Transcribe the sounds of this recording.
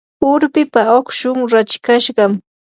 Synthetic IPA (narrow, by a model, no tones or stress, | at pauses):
ʊɾpɪpaokʃʊŋɾat͡ʃkaʃɢɑm